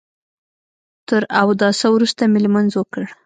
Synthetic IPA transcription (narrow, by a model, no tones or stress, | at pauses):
t̪əɾawd̪ɑsawɾust̪amɪlmanzwokəɽ